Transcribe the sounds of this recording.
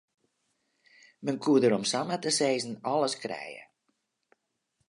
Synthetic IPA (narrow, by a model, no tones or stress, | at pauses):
mənkʰuədəɾɔmsamatəseːzn̩ɔləskrɛ̰jə̰